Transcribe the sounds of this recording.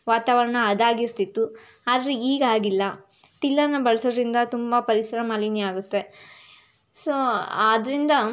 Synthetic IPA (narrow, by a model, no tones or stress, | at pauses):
ʋaːt̪aːʋɐɾɐɳɐːd̪aːɡist̪it̪ːu | ad̪ɾiiːɡɐaːɡilːɐ | t̪ilːɐnɐbɐɭɐsoːd̪ɐɾind̪ɐt̪umbɐpɐɾisɐɾɐmɐliniaːɡut̪ːe̞ | soaːd̪ɐɾind̪ɐ